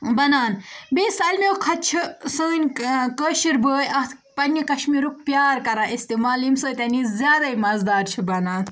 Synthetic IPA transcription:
bɐnaːnbeːsaːlmewkʰɐt̪̚t͡ʃʰisəːnʲkəːʃiɾbəːjɐt̪ | pɐnːikɐʃmiɾuk̚pjaːɾkɐɾãːʔist̪imaːlimsoːt̪ɐnizʲjaːd̪ɐimɐzd̪aːɾt͡ʃʰibɐnaːn

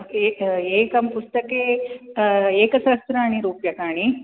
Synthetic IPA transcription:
eːkɐmpust̪ɐkeː | eːkɐsɐst̪ɾaːɳiɾuːpjɐkaːɳi

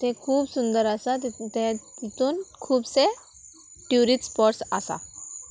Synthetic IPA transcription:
t̪ʰekʰuːbsund̪əɾasat̪t̪ẽt̪it̪uːnkʰuːbse | ʈjuɾiʈspɔɾʈsasa̰

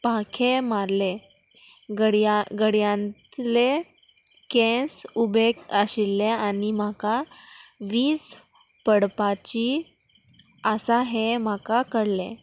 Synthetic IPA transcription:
pãkʰemaɾle | ɡəɽɡəɽjãnt̪le | kɛ̃subʱekəɕilːeanim̤aka | ʋiːt͡spəɽpat͡ɕi | əsaɦem̤akakəɽlḛ̃

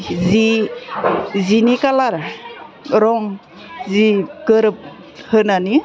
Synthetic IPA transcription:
zi | zinikalaɾa | ɾɔŋ | ziɡəɾɯp̚ | hɯnani

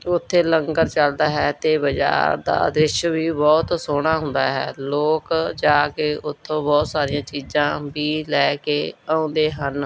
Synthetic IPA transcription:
ʊt̪ʰːeːləŋɡəɾt͡ʃəld̪aːɦɛːt̪eːbəd͡ʒa̰ːɾd̪a̰ːd̪ɾɪʃʋiːbɔːt̪soːɽ̃aːɦʊ̃nd̪a̰ːɦɛ̰ːloːkd͡ʒaːkeːʊt̪ʰːõːbɔːt̪saːɾijãːt͡ʃiːzãːbiːlɛːkeːaõːnd̪eːɦən

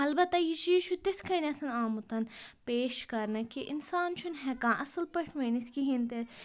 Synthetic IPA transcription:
ɐlbɐt̪ːɐjit͡ʃiːʃʰut̪eskʰɐnʲɐsʰɐnaːmut̪ɐnpeːʃkɐɾnɐkiʔɪnsaːnt͡ʃʰunɦɛkãːʔɐsɐlpɐʈʰʋɐːniskiɦĩnt̪e

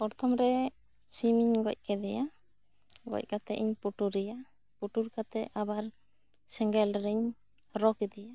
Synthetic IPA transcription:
ɔɾt̪ʰɔmɾɛ | simiɲɡɔ̰c̚kɛd̪ɛja | ɡɔ̰c̚kat̪ɛʔiɲpuʈuɾɛja | puʈuɾkat̪ɛʔabaɾ | sɛŋɡɛlɾɛɲ | ɾɔkɛd̪ɛja

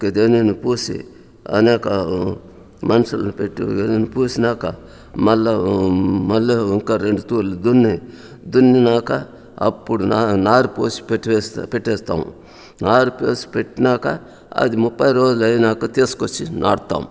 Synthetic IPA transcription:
ked̪eninipoːsḭ | ɐ̰neːka | mɐnsɐlnipeʈːiɡeninipuːsinaːka | mɐlːɐmɐlːɐŋkaɾeɳɖt̪uːlid̪unːi | d̪unːinaːka | ɐ̰pːuɽunanaːɾpoːsi̥peʈʋespeʈeːst̪a̰ːṵ̃ | naːɾpospeʈnaːka | ɐ̰d̪imupːajɾoːd͡ʒlɐnaːkɐt̪eːskot͡ʃʰinʔa̰ːɽt̪a̰ːm

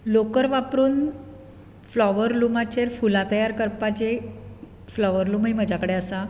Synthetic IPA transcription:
lokəɾʋapɾuːn | flɔʋəɾlumat͡ɕeɾfulat̪əjaɾkəɾpat͡ɕe | flɔʋəɾlumeməd͡ʑʱakəɽeəsa

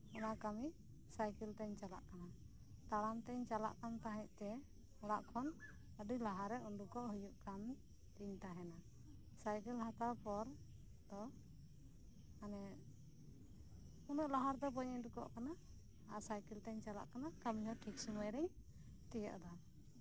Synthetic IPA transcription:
ɔnakami | sajkɛlt̪ɛɲt͡ʃala̰ʔkana | t̪aɽamt̪ɛɲt͡ʃala̰ʔkant̪aɦɛ̃ʔ̚t̪ɛ | ɔɽaʔkʰɔn | əɖijlaɦaɾɛunɖukɔʔɦujuʔkam | t̪iɲt̪aɦɛna | sajkɛlhat̪awpɔɾ | t̪ɔ | anɛ | unɔʔlaɦaɾd̪ɔp̬ɔɲɛɲdukɔ̰ʔkana | asajkɛlt̪ɛɲt͡ʃala̰ʔkanakamihɔʈʰiksumajɾɛɲ | t̪ɛjɔ̰ʔd̪a

